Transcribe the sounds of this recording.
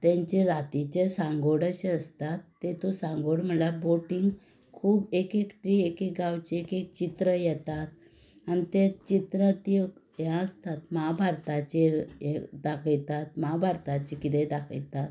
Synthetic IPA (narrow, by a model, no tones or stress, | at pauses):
t̪ɛ̃ɲt͡ɕeɾat̪it͡ɕesãŋɡoɽəɕeəst̪at̪ːet̪osãŋɡoɽm̤əlaboʈiŋɡ | kʰuːbekekʈɾiekekɡawt͡ɕeekek̚t͡ɕit̪ɾəjɛt̪at̪̚ | anit̪et͡ɕit̪ɾət̪i | jãəst̪at̪mabʱaɾt̪at͡ɕejd̪akʰəjt̪at̪̚mabʱaɾt̪at͡ɕikit̪ed̪akʰə̰jt̪at̪